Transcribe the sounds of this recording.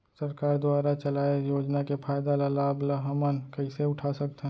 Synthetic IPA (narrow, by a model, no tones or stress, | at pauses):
sɐɾkaːɾd̪aːɾat͡ʃɐlaːejoːd͡ʒnakepʰaːɪd̪alalaːblaɦəmənkɐiseʊʈʰasɐk̚t̪ɦ